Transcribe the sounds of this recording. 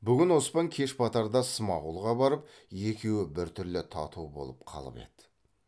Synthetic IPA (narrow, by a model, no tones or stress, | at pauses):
bʏɡʲɪnwo̞spɑŋkʲʰe̞ʃpʰɑt̪ɑɾd̪ɑsəmɑʁulˠʁɑbɑɾəp̚ | je̞kʲe̞wɪbɪɾt̪ʰʏɾlɪt̪ʰɑ̰t̪ubo̞̰lˠəp̚qʰɑ̰lˠə̰pe̞̰t̪ɪ̥